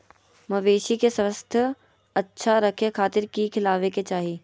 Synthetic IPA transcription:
mɐʋeːʃikesəst̪ʰə | ɐtːʃʰaɾɐkʰekʰaːt̪ɪɾkikʰɪlaːʋeket͡ʃaːɦiː

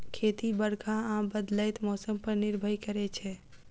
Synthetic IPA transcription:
kʰet̪ibəɽkʰaãbəd̪ləjt̪mɔsəmpəɾniɾbʱəjkəɾɛt͡ʃʰɛ

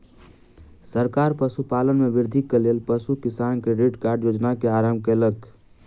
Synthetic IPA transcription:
səɾkaːɾpəsupaːlənmeʋɪɾd̪ʱikːeleːlpəsukɪsaːnkeɾeɖkaːɾɖjoːd͡ʒnakeaːɾaːmkelək

